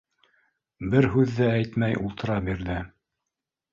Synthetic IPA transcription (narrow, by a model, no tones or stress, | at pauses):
bɘɾɦʉðːææjt̪mæjʔṵlˠt̪ɤ̆ɾɑbiɾðɘ